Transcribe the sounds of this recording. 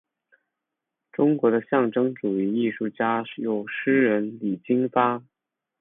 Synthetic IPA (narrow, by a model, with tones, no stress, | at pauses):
ʈ͡ʂʊ˥ŋkwɔ˧˥d̪ə˧ɕjɑ˥˩ŋʈ͡ʂɤ˥ŋʈ͡ʂu˨˩i˧˥i˥˧ʂu˥˩t͡ɕja˥˩jo˨˩ʊʂɻ̩˥ɻə˧˥nli˨˩t͡ɕi˥ŋfa˥